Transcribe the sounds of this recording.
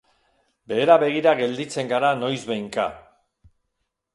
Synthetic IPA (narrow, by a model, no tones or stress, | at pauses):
be̞ːɾaβe̞ɣ̞iɾaɣe̞ld̪it͡se̞ŋɡaɾano̞jzβejŋka̰